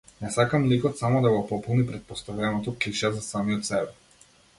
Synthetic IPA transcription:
nɛsakamlikɔt̪samɔd̪aɡɔpɔpɔlˠnipɾɛt̪̚pɔst̪avɛnɔt̪ɔkliʃazasamijɔt̪sɛbɛ

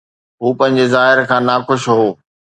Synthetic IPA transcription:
ɦuːpɐ̃ɦɪ̃ɲd͡ʑezaːɦɪɾkʰãːnaːxʊʃɦoː

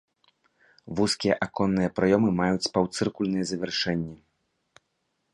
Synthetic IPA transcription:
vuskʲijɛʔakɔnːɨjɐpɾajɔmɨmajut͡sʲpawt̪sɨrkulʲnɨjɛzɐvʲɛrʂɛnʲːi

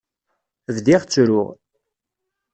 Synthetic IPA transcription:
vðiʁt͡sːɾʊ̰ʁ

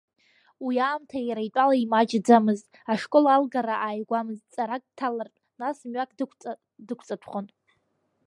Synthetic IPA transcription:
wiaːmtʰajaɾajtʷʼalaimat͡ʃd͡zamɨztʼ | aʂkʼo̞lalɡaɾaʔaːjɡʷamɨzʼt͡sʼaɾak̚ʼtʰalartʼnasmɥakʼʷ | dɨkʷʰt͡sʼatʷʰχon

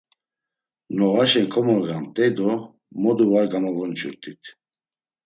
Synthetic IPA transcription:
nɔɣaʃɛŋkʰɔmɔɣant̪ʼɛjd̪ɔ | mɔd̪uvaɾɡamavɔnt͡ʃʰuɾt̪ʰʼit̪ʰ

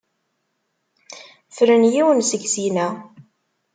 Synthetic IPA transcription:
fɾənjiwənsəɡzinæ

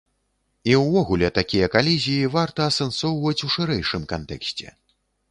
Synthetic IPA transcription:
iwvɔɣulʲɛt̪akʲijɐkalʲizʲijivart̪ɐːsɐnsɔwvɐt͡sʲuʂɨɾɛjʂɨmkant̪ɛ̰ksʲt͡sʲɛ̰

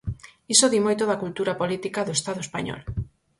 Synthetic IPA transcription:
isoðimojt̪oðɐkult̪uɾapolit̪ikaðoest̪aðoespa̰ɲɔ̰l

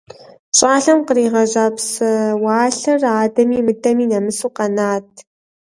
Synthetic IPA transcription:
ɕʼaːɬɐmqəɾiːʁɐʑaːpsɨwaːɬɐraːdɐmiːmɨdʰʼɐmiːnɐmɨsuːqɐnaːt̚ʰ

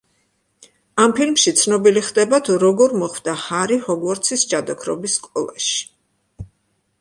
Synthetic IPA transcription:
ampʰilmʃit̪sʰnɔbiliχd̪ɛbat̪ʰuɾɔɡɔɾmɔχwvd̪ahaɾihɔɡwɔɾt̪sʰisd͡ʒad̪ɔkʰɾɔ̰bisːkʼɔ̰lˠaʃi̥

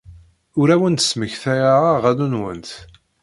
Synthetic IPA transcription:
ʊɾæwənt̪ə̥sməçθæjaaʁænunwə̰nt̪

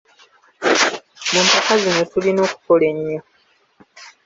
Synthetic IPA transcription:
muːmpakazino̞tulino̞ːku̥kole̞ɲːo

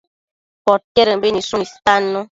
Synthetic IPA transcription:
pɔt̚kɛɾəbenisunistanːu

